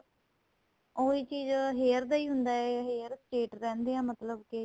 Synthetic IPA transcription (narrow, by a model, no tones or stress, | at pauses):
oːiːt͡ʃiːzɦeːɾd̪aːiːɦʊnd̪aːɛːɦeːɾt͡ʃeːʈɾɛ̃ːnd̪eːãːmət̪ləbkɪ